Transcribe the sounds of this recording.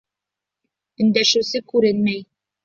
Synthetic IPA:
ɘ̆nd̪æʃɘ̆wsɘkʉɾɘnmæj

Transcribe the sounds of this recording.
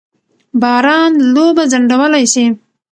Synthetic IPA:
bɑːɾɑnlobazaɳɖawəlajsi

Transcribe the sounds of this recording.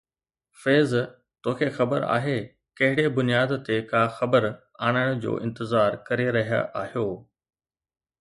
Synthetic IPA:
feːz | t̪oːkʰexɐbəɾa̰ːɦe | kɐɦɪɽebʊnijaːd̪t̪ekaːxɐbəɾ | aːɽ̃əɽ̃ʊd͡ʑo̰ːʔɪ̃nt̪ɪzaːɾkɐɾeɾɐɦija̰ʔaːhijoː

